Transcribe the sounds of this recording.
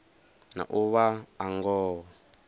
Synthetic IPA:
na̰ʔuβaːŋɡɔː

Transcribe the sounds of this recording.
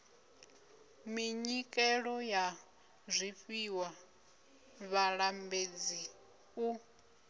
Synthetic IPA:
miɲikʼɛɺɔja | zʷiɸiwa | βaɺambed͡zi | ku

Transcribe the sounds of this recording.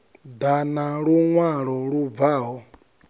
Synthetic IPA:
danaɺuŋwaɺɔɺuvaːɦɔ

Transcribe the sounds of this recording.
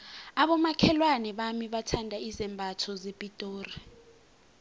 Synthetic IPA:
aɓɔmakʰɛlwanɛɓamiɓatʰandʱaizɛmbʱatʰɔzepʼitʼoːri

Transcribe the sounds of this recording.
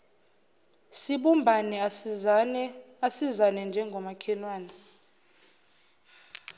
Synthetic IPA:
siɓumbʱanɛ | asizanɛnd͡ʒʱɛŋɡʱɔmakʰɛlwaːnɛ

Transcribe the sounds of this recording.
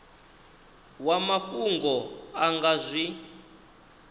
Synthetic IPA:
wamaɸuŋɡɔaŋɡazʷi

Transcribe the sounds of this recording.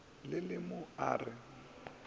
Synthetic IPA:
lɪlɪmʊa̰ːrɪ

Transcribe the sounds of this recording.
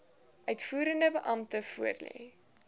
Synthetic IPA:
ʔœɥtfuːɾəndəbəʔɐmtəfuərlḛː

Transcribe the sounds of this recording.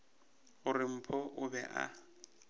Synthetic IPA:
ɣʊrɪm̩pʰɔʔʊbɛ̰ʔa̰

